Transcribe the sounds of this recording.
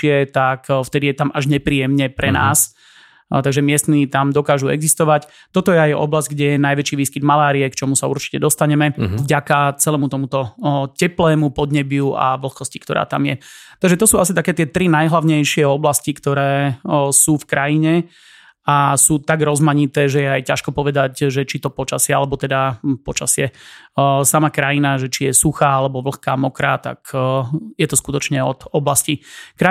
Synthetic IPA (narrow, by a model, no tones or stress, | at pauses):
ɪɛt̪akft̪ɛd̪ijɛt̪amʔaʒɲɛpɾiːjɛmɲɛpɾɛna̰ːs | t̪aɡʒɛmɪɛst̪nit̪amd̪ɔkaːʒuɛ̰ɡzist̪ɔʋac | t̪ɔt̪ɔjɛajɔ̰blazɟɡɟɛjɛnajʋɛt͡ʃiːʋiːskid̪malaːɾiɛkt͡ʃɔmusaṵɾt͡ʃi̥cɛd̪ɔst̪aɲɛmɛvɟakat͡sɛlɛːmut̪ɔmut̪ɔcɛplɛːmupɔd̪ɲɛbɪua̰ʋl̩xkɔsci̥kt̪ɔɾa̰ːt̪a̰mjɛt̪aɡʒɛt̪ɔsuːasit̪akɛːt̪ɪɛt̪ɾinajɦlaʊɲɛjʃɪɛɔblascikt̪ɔɾɛːsuːfkɾajiɲɛ | asuːt̪aɡɾɔzmaɲit̪ɛːʒɛjɛajcaʃkɔpɔʋɛd̪acʒɛt͡ʃit̪ɔpɔt͡ʃasɪɛa̰lɛbɔt̪ɛd̪apɔt͡ʃa̰sɪɛ | samakɾajinaʒɛt͡ʃijɛsuxaːalɛbɔʋl̩xkaːmɔkɾat̪a̰k | jɛt̪ɔskut̪ɔt͡ʃɲɛɔd̪̥ɔblascikɾa